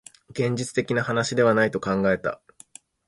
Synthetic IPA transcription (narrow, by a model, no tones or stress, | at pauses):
ɡẽ̞ɲ̟d͡ʑit͡sɨ̥t̪e̞kʲinahanaɕid̪e̞βanait̪o̞kãŋɡae̞t̪a̰